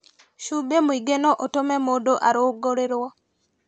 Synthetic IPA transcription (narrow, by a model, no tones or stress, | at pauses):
ʃubemoiɡenoʔotomɛmodoʔaɾoɡoɾeɾwɔ